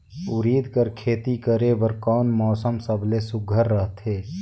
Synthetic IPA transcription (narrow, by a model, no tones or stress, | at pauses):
ʊɾiːd̪ʱkəɾkʰeːt̪ikəɾebəɾkɔːnmɔːsəmsəbʱlesʊɡʱəɾːəɦt̪ʰɦeː